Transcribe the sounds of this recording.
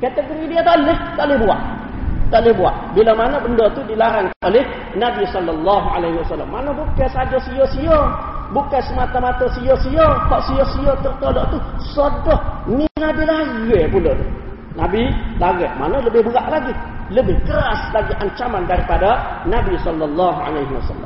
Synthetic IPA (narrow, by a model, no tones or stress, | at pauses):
kat̪əɡoɾidiat̪alɪht̪aʔlɪhbua̰ʔ | t̪aʔlɪhbua̰ʔbilamanəbəndot̪udilaɾankanʔolɪh | nabisɔlːɔlːaɦualaɦiwasalːa̰mːanəbukasad͡ʒosijosiobukasəmat̪amat̪ɔsijosiokaʔsiosijot̪ərt̪oloʔt̪usodɔhnilabilaɣɛpulot̪ṵ | nabilaɣɛʔma̰nələbɪhbəɣaʔlaɡiləbɪhkəɾaslaɡiʔaɲt͡ʃamandaɾipadanabisɔlːɔlːaɦua̰lajɦiwa̰sa̰lːa̰m